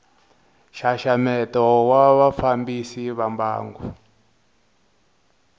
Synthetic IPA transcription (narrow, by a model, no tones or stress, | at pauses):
ʃaʃamɛtɔwaβafambisiβamba̰ːŋɡu